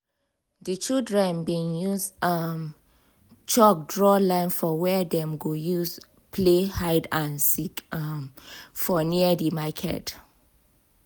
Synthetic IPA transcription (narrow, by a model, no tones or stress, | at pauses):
dit͡ʃildɹɛ̃nbĩŋjuzam | t͡ʃɔk̚dɹɔlãɪ̃nfɔwɛdɛ̃mɡojuz | pʰlehaɪdãnsikmfɔniədimakʰɛ̰t